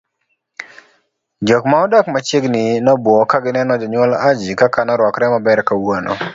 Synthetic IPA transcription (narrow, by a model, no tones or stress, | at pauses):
d͡ʒɔkmaɔdakmat͡ʃeɡnɪnɔbwɔkaɡɪnɛnɔd͡ʒɔɲwɔlad͡ʒikakanɔɾwɔkɾɛmabɛɾkawono̰